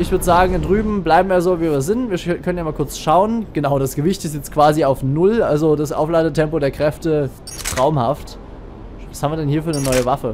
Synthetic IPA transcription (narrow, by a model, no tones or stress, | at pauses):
ɪçv̥ʏɐdəzaːɡŋ̩ɪndʁyːbm̩blaɪbm̩viːjazoːviːviːɐzɪntv̥iːɐkʰœnənjamaːlkʰʊɐt͡sʃaʊənɡ̥ənaʊdasɡ̥əvɪçtɪstjɛt͡stkv̥aːziaʊfnʊlʔalzodasʔa̰ʊflaɪdətʰɛmpodeːɐkʁ̥ɛftə | tʁ̥aʊmhaft | vashaːmviːɐdɛnhiːɐfyːɐnənɔʏəvafə